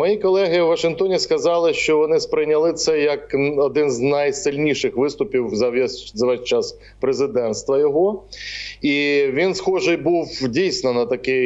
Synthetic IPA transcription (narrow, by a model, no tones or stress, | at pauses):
mɐjikɔlˠɛɦɪwʋɐʃɪnkt̪ɔnʲiskɐzɑlˠɪʃt͡ʃɔʋɔnɪspɾɪnʲɐlˠɪt̪sɛjɐkɔd̪ɪnznɐjsɪlʲnʲiʃɪxʋɪst̪ʊpʲiwzɐʋzɐʋɛsʲt͡ʃas | pɾezɪd̪ɛnt̪st̪ʋɐjɔɦɔ | iʋʲinsxɔʒɪjbuwdʲijsnɔnɐt̪ɐkɪ